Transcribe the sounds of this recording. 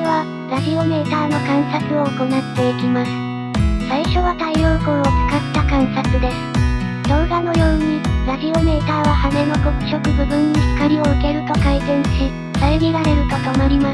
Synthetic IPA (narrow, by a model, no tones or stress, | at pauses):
βa | ɾafʲio̞me̞ːt̪aːno̞kãɰ̃sakɯo̞ːko̞nat̪ːe̞ikʲimasɨ̥ | saiɕo̞β̞at̪aijo̞kõɰ̃ot͡sɨ̥kat̪ːakãɰ̃sakɯ̟d̪e̞sɨ̥ | d̪̥õɡano̞joːɲ̟iɾafʲio̞me̞ːt̪aːβahane̞no̞kokɯ̟̥ɕo̞kɯ̟bɯ̟bɯ̟̃ɲːiçi̥kaɾʲio̞ɯ̟ke̞ɾɯ̟t̪o̞kaizẽ̞ɰ̃ɕi | t̪aomʲiɾaɾe̞ɾɯ̟t̪ot̪omaɾʲimas